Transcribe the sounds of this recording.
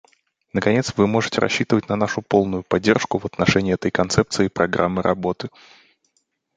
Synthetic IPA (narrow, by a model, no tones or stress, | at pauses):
nəkɐnʲe̞t̪svɨmo̞ʐɨtʲɪɾʔɐ̰ɕːit̪əvətʲnɐnaʂʊpo̞lˠnʊjʊpɐdʲːe̞rʂkʊvət̪nɐʂɛnʲɪːɛt̪əjkɐnt̪sɛp̚t̪sɨɪpɾʔɐɡɾʔa̰mːɨɾʔɐ̰bo̞t̪ɨ